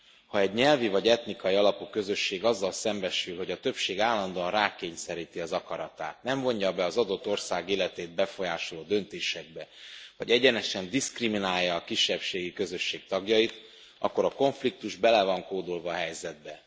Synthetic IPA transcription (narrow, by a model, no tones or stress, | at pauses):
hɒɛɟɲɛlvivɒɟɛt̪nikɒjiɒlɒpukø̞zø̞ʃːeːɡɒzːɒlsɛmbɛʃylɦo̞ɟɒt̪ø̞pʃeːɡaːlːɒnd̪oɒnraːkeːɲsɛɾiːt̪iɒzɒkɒɾɒt̪a̰ːt̪nɛɱvo̞ɲɟɒbɛɒzɒd̪o̞t̪ːo̞rsaːɡeːlɛt̪eːd̪̚bɛfo̞jaːʃoloːd̪ø̞nt̪eːʃɛɡ̚bɛvɒ̰ɟɛɟɛnɛʃɛnd̪iskriminaːjːɒːkiʃːɛpʃeːɡikø̞zø̞ʃːeːk̚t̪ɒɡjɒjit̪ | ʔɒ̰kːo̞ɾɒko̞ɱflik̚t̪uʒbɛlɛvɒŋkoːd̪olvɒːɦɛjzɛd̪̚bɛ